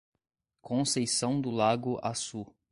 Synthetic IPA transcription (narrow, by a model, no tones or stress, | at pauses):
kʰõsejsɐ̃w̃d̪ʊlaɡʊʔasu